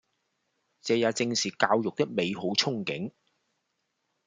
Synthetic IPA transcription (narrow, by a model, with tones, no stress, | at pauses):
t͡sɛː˨˧jaː˨˧t͡sɪ˧ŋsiː˨kaː˧wjʊ˨k̚t̪ɪ˥k̚me˨˧jɦo˨˥wt͡sʰʊ˥ŋkɪ̰˨˥ŋ